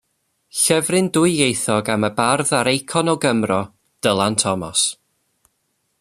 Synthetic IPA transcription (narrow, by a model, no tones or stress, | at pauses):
ɬɛvrɨndʊɨjejθɔɡaməbarðaɾejkʰɔnɔɡəmrɔ | d̥əlˠantʰɔmɔ̰s